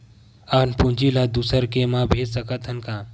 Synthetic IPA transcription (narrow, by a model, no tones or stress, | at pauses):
anpund͡ʒilad̪usəɾkemãːbʱeːd͡ʒsɐkɐt̪ʰɐnkaː